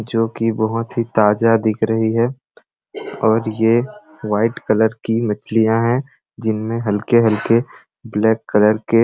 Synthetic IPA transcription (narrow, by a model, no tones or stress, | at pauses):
d͡ʒoːkibɐɦʊt̪ɦit̪aːd͡ʒad̪ɪkʰɾəɦiɦɛː | ɔːɾje | ʋaːɪʈkələɾkimɐt͡ʃʰlijãɦɛ̃ | d͡ʒɪnmẽɦɐlkeɦɐlke | blɛːkːələɾke